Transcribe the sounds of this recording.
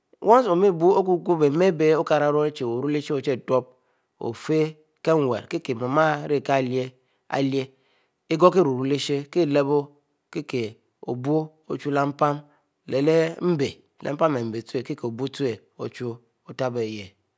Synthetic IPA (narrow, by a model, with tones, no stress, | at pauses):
wo˦n˦so˨mi˦bu˦o˦k̬u˦ɡu˦be˨˦me˦be˦o˦ka˨ɾa˨˦ɾo˦e˦t͡ʃe˨o˨ɾu˦le˦ʃe˦o˨t͡ʃe˦˨to˦p̚ | o̰˨fe˦ | ke˦ŋ˨wḛ˨ɾke˦ke˨ma˨ma˦ɾe˦˨ka˦˨lje˦ | a̰˨lje˦ | e˦ɡo˦ke˦ɾu˨ɾu˦le˦ʃe˦ke˦˨le˦bo˦ | ke˦ke˨ | o̰˨bu˦ | o̰˨t͡ʃu˦la˦m̩˦pa˦m | le˨le˦m̩˦be˨lʔḛ˨m̩˦pa˦me˨m̩˨be˨tu˦e˨ke˦ke˨o˨bu˦tu˦e˨ | o̰˨t͡ʃu˦ | o˦ta˦be˨je˨